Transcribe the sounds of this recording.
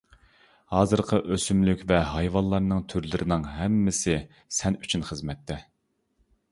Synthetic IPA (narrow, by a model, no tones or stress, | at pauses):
hɑːzɨɾqʰəʔøsymlykʲvɛɦɑjvɑnlˠɑɾnɨŋt̪ʰyɾlɪɾʔɪnɪŋɦɛmːɪsɪ | sɛny̥t͡ʃʰynχəzmɛt̪ʰːɛ